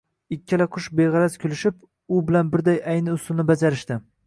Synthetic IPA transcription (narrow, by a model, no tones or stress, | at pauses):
ɪkʲʰːɪlaqʰʊʃbejʁɑɾazkʲʰʊlɪʃɪp | ʊbɪlanbɪɾd̪ajajnɪʊsʊlˠnɪbad͡ʒaɾɪʃt̪ɪ